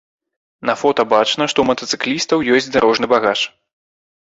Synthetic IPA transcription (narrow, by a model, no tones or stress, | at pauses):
nɐfɔt̪ɐbat͡ʂnɐʂt̪ɔmɐt̪ɐt̪sɨ̥klʲist̪ɐwjɔsʲt͡sʲd̪aɾʔɔʐnɨbaɣat͡ʂ